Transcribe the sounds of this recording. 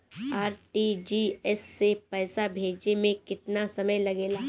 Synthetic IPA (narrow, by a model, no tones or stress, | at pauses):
aːɾʈid͡ʒiːɛsːepɛːsabʱeːd͡ʒemẽkɪt̪nasɐməjlɐɡeːlaː